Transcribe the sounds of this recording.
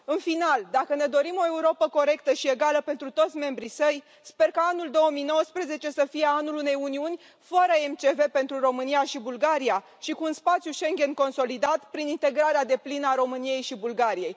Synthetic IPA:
ɨnfinald̪akəne̞d̪o̞ɾimo̞e̞uɾo̞pəko̞ɾe̞k̚t̪əʃie̞ɡaləpe̞nt̪ɾut̪o̞t̪sʲme̞mbɾisəj | spe̞rkaanuld̪o̞wəmijno̞wəspɾe̞ze̞t͡ʃe̞səfije̞anulune̞juniunʲ | fəɾəemt͡ʃe̞ve̞pe̞nt̪ɾuro̞mɨnijaʃibulɡaɾia | ʃikuːnspat̪sjuʃe̞ŋɡʲe̞nko̞nso̞lid̪at̪pɾinint̪e̞ɡɾaɾead̪e̞plinəaɾo̞mɨnije̞jʃibulɡaɾije̞j

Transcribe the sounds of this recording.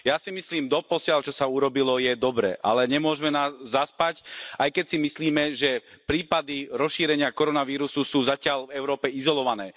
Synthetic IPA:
jasimisliːmd̪ɔpɔsɪalt͡ʃɔsauɾɔbilɔjɛd̪ɔbɾɛ̰ʔa̰lɛɲɛmʊɔʒmɛnaːzːaspacʔajkɛcsimisliːmɛʒɛpɾiːpad̪iɾɔsʃiːɾɛɲɪakɔɾɔnaʋiːɾususuːzacɪalvɛʊɾɔːpɛizɔlɔʋanɛː

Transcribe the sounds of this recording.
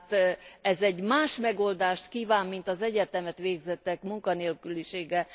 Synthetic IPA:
t̪ɛzɛɟmaːʃmɛɡo̞ld̪aːʃt̪kiːvaːmːint̪ɒzɛɟɛt̪ɛmɛt̪ʋeːɡzɛt̪ːɛkmuŋkɒneːlkyliʃeːɡɛ

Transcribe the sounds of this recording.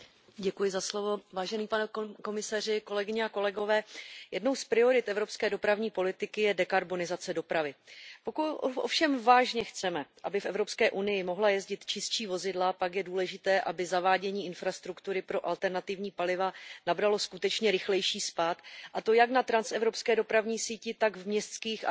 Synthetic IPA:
ɟɛkujɪzaslo̞vo̞vaːʒɛniːpanɛko̞mɪsar̝ɪko̞lɛɡɪɲɛako̞lɛɡo̞vɛːjɛdno̞wspɾɪo̞ɾɪt̪ʔɛvɾo̞pskɛːdo̞pɾavɲiːpo̞lɪt̪ɪkɪjɛdɛkaɾbo̞nɪzat͡sɛdo̞pɾavɪpokuo̰fʃɛmvaːʒɲɛxt͡sɛmɛʔabɪfʔɛvɾo̞pskɛːʔunɪjɪmo̞ɦlajɛzɟɪt̪t͡ʃɪst͡ʃiːvo̞zɪdlapakjɛduːlɛʒɪt̪ɛːʔabɪzavaːɟɛɲiːɪnfɾast̪ɾukt̪uɾɪpɾo̞ʔalt̪ɛɾnat̪ɪvɲiːpalɪvanabɾalo̞skut̪ɛt͡ʃɲɛɾɪxlɛjʃiːspaːt̪ʔat̪o̞jaknat̪ɾansɛvɾo̞pskɛːdo̞pɾavɲiːsiːcɪt̪aɡvmɲɛst̪t͡skiːxʔa̰

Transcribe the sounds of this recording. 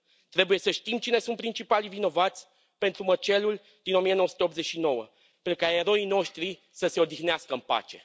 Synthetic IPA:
t̪ɾe̞buje̞səʃt̪imt͡ʃine̞sunt̪pɾint͡ʃipalivino̞vat̪sʲ | pe̞nt̪ɾumət͡ʃe̞lul | d̪̥ino̞mijenowəsu̥t̪eop̪ze̞t͡ʃʲʃino̞wə | penukaeɾo̞ino̞ʃt̪ɾi | səse̞o̞d̪ixneaskəɨnpa̰t͡ʃe̞̰

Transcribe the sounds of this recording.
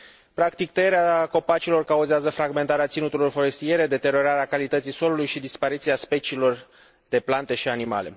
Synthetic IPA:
pɾakt̪ikt̪əjeɾeaako̞pat͡ʃilo̞rkauzeazəfɾaɡme̞nt̪aɾeat̪sinut̪ulo̞rfo̞ɾe̞st̪ije̞ɾe̞d̪e̞t̪e̞ɾo̞ɾaɾeakalit̪ət̪siso̞lulujʃid̪ispaɾit̪siaspe̞t͡ʃiːlo̞r | d̪e̞plant̪e̞ʃianima̰le̞̰

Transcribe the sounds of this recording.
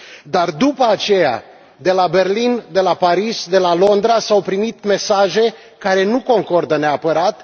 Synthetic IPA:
d̪ard̪upəat͡ʃe̞ja̰ | d̪e̞labe̞rlind̪e̞lapaɾisd̪e̞lalo̞nd̪ɾasawpɾimit̪me̞saʒe̞ | kaɾe̞nuko̞ŋko̞rd̪əneapəɾat̪

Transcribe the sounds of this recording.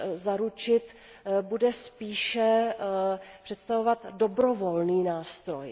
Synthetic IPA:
zaɾut͡ʃɪt̪ | budɛspiːʃɛ | pr̝̥ɛt̪st̪avovat̪do̞bɾo̞vo̞lniːnaːst̪ɾo̞̰j

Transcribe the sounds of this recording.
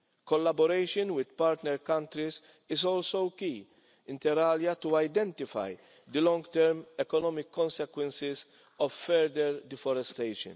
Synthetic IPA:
kɔlːɐbɔɾejʃɔnwɪd̪paːɾt̪nɛɾkɐ̃nt̪ɾiz | ɪzɔːlsowkiː | ɪ̃nt̪ɛɾɐːljɐt̪uɐjd̪ɛ̃nt̪ɪfɐ̰j | d̪əlɔ̃ŋɡt̪ɛɾmɛkɔnɔmɪkːɔ̃nsɛkwɛ̃nsɪz | ɔvfɛɾd̪ɛɾd̪ɪfɔɾɛst̪ejʃɔ̰̃n

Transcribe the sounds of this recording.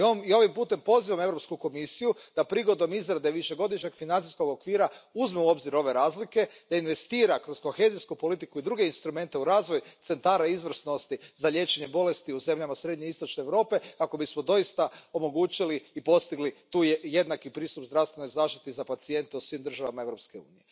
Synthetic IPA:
mio̞ʋimpuːt̪e̞mpo̞ziʋame̞vɾopskuko̞misijud̪̥apɾiɡo̞d̪o̞mizɾad̪e̞ʋiʃe̞ɡo̞d̪iʃɲe̞ɡ̥finanisko̞ɡo̞kʋiːɾauzmeuo̞bziɾo̞ʋe̞ɾaːzlike̞d̪̥ainʋe̞st̪iːɾakɾo̞sko̞xe̞ziskupo̞lit̪ikuid̪ɾuɡeinst̪ɾume̞nt̪e̞uɾaːzʋo̞jut̪se̞nt̪aːɾaizʋr̩sno̞st̪izaʎe̞t͡ʃe̞ɲe̞bo̞le̞st̪iuze̞mʎamasɾe̞d̪ɲe̞ist̪o̞t͡ʃneːʋɾo̞ːpe̞kako̞bismo̞d̪o̞jist̪ao̞mo̞ɡuːt͡ʃiliːpo̞st̪iɡlit̪uːjje̞d̪nakipɾiːst̪upzdɾafst̪ʋe̞nojzaːʃt̪i̥t̪izapat̪sie̞nt̪eusʋiːmd̪r̩ʒaʋamae̞ʋɾopske̞ṵːnije

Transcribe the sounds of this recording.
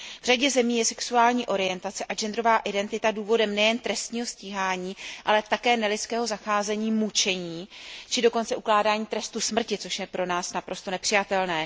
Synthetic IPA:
vr̝aɟɛzɛmiːjɛsɛksuaːlɲiːʔo̞ɾɪjɛnt̪at͡sɛʔad͡ʒɛnd̪ɾo̞vaːʔɪdɛnt̪ɪt̪aduːvo̞dɛmnɛjɛnt̪ɾɛst̪ɲiːɦo̞sciːɦaːɲiːʔalɛt̪akɛːnɛlɪt͡skɛːɦo̞zaxaːzɛɲiːmut͡ʃɛɲiːt͡ʃɪdo̞ko̞nt͡sɛʔuklaːdaːɲiːt̪ɾɛst̪usmr̩cɪt͡so̞ʃjɛpɾo̞naːsnapɾo̞st̪o̞nɛpr̥ɪjat̪ɛlnɛː

